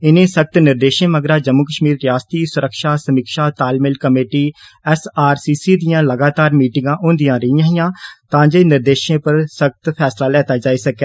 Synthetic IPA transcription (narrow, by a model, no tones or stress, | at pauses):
ɪnẽːsək̚t̪nɪɾd̪eːʃẽːməɡɾaːd͡ʒəmːʊkəʃmiːɾːɪjaːst̪iːsʊɾəkʃaːsəmikʃaːt̪aːlmɪlkəmeːʈiː | ɛsaːɾsiːsiːd̪ɪjãːləɡaːt̪aːɾmiːʈɪŋɡãːʔõːnd̪ɪjãːɾəɪjãːɦɪjãːt̪ãːd͡ʒeːnɪɾd̪eːʃẽːpəɾsək̚t̪pʰɛːslaːlɛːt̪aːd͡ʒaːiːsəkɛː